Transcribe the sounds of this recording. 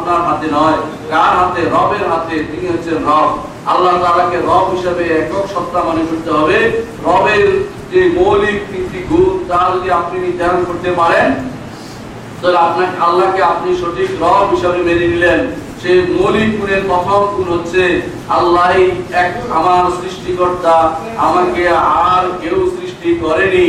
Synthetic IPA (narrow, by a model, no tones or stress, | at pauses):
pnaɾɦat̪enɔe | ɡaɾɦat̪eɾɔbeɾɦat̪et̪iniɦotːɕʰenɾɔb̚ | a̰lːat̪alakeɾɔbɦiʃebeɛkokʃɔt̪ːamonekoɾt̪eɦɔbe | ɾɔbeɾ | d͡ʑemolik̚tit̪iɡʱunt̪aɾd͡ʑod̪iapniid̪ɛnkoɾt̪epaɾen | t̪ɔeapnaalːakeapniʃoʈʰikɾɔbɦiʃabemeɾinilenʃemolikːuneɾpɔt̪ʰomkunɦotːɕʰe | alːaɦiɛka̰maɾsɾiʃʈikɔɾt̪a | amaɾkeaɦaɾkewsɾiʃʈikɔɾeni